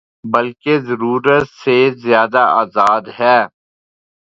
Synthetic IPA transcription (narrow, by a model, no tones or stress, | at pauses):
bɐlkezɐɾuːɾət̪sezjaːd̪aaːzaːd̪ɦɛː